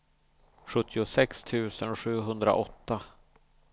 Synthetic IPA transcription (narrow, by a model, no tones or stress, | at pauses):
ɧɵt̪ʰːɪʊsɛkst̪ʰʉ̟ːsənɧʉ̟ːɦɵnd̪ɾa̰ʔɔt̪ːa